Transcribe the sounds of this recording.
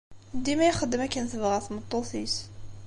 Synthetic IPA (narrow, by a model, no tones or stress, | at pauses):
d̪imæjχəd̪ːəmækːænθəvʁæθmət̪ˤːoθis